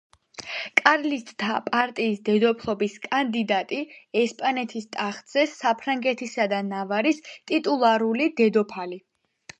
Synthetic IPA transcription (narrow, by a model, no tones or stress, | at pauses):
kʼaɾlit̪t̪ʰapʼaɾt̪ʼiːsd̪ɛd̪ɔpʰlˠɔbiskʼand̪id̪at̪ʼiɛspʼanɛt̪ʰist̪ʼaχd̪z̥ɛsːapʰɾaŋɡɛt̪ʰisad̪anavaɾist̪ʼit̪ʼulˠaɾulid̪ɛd̪ɔpʰali